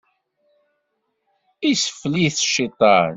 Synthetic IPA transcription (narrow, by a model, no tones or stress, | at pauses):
isə̥fːliθʃit̪ˤɑn